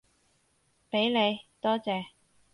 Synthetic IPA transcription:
pe˨˥jne˨˧jt̪ɔː˥t͡sɛː˨˧

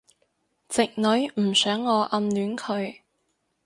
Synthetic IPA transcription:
t͡sɪ˨k̚nɵ˨˧˥ɥm̩˨˩sœː˨˥ŋːɔː˨˧ʔɐ˧mlyː˨˥nkʰɵ˨˧ɥ

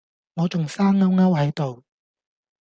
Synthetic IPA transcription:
ŋɔː˨˧t͡sʊ˨ŋsaː˥ŋɐ˥wŋɐ˥whɐ˨˥jt̪o˨w

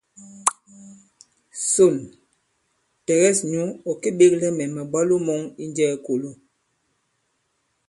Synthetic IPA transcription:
so˨l | tɛ˨ɣɛ˦sɲu˦ɔ˨ke˦ɓe˦klɛ˦mɛ˨mɛ˨ba˦lo˦mɔ˦ŋi˦nd͡ʒɛː˦˨ko˨lo˦

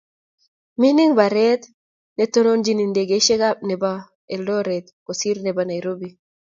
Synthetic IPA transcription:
mi˦ni˦ŋba˨ɾɛ˦t̪ | ne˨to˦no˦nd͡ʒi˦ni˨nde˨ɡe˨˦ʃe˦ɡa˦p̚nɛ˨ba˨ | e˨ldɔ˦ɾɛ˨t̪̚ko˨si˦ɾnɛ˨ba˨na˨jɾo˦bi˨

